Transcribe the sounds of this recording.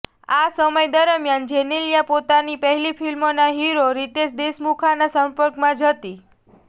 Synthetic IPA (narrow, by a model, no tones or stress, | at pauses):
asəməjd̪əɾəmjand͡ʒeneljapot̪anipəɦɛlifʰilmonaɦiɾoɾit̪eʃd̪esmukʰanasəmpəɾkmãd͡ʒʱət̪i